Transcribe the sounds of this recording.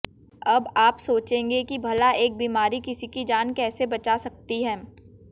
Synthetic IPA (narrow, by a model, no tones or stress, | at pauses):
ɐbaːpsoːt͡ʃẽːŋɡekibʱɐlaʔeːk̚biːmaːɾikɪsikid͡ʒaːnkɛːsebɐt͡ʃasɐk̚t̪iɦɛː